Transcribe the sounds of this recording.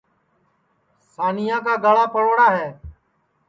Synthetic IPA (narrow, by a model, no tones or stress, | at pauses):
saːnɪjãːk̬aːɡaɭaːpʰəɽoːɽaːɦɛː